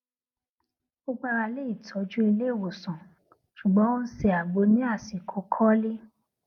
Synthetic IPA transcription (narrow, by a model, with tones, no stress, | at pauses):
o˦ɡ͡ba˧ɾa˧le˦i˦˨tʰɔ˨˦d͡ʒu˦i˧le˦˨wo˨sɔ̃˨ | ʃu˨ɡ͡bɔ̃˨˦o˦n̩˦si˦˨a˨ɡ͡bo˨˦nĩ˦a˦˨si˨kʰo˨˧˦kʰɔ˦li˦